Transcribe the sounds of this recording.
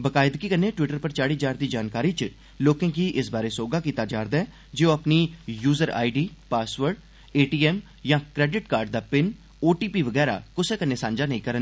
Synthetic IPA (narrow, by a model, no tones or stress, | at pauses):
bəkaːɪd̪kikənːeːʈwɪʈəɾpəɾt͡ʃaːɽiːd͡ʒaːɾd̪iːd͡ʒaːnkaːɾiːt͡ʃ | loːkẽŋkiːʔɪsbaːɾeːsoːɡaːkiːt̪aːd͡ʒaːɾd̪aɛː | d͡ʒeːoəpniːjuːzəɾa̰ːiɖiːpaːsʋəɾɖ | eːʈiːɛːm | jãːkɾɛːɖɪʈkaːɾɖd̪aːpɪn | oːʈiːpiːʋəɡɛːɾa̰ːkʊseːkənːeːsãːnd͡ʒaːnəĩːkəɾən